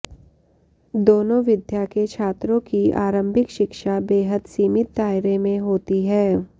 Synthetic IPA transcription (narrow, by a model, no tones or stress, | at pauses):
d̪oːnõʋɪd̪ʱjaket͡ʃʰaːt̪ɾõkia̰ːɾə̃mbʱɪkʃɪkʃabeːɦəd̪siːmɪt̪̚ːaːɪɾemẽɦoːt̪iɦɛː